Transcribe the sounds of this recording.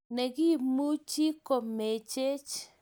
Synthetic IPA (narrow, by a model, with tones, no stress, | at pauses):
ne˨ɡi˦˨mu˦t͡ʃi˦ko˨me˨t͡ʃe˦t͡ʃ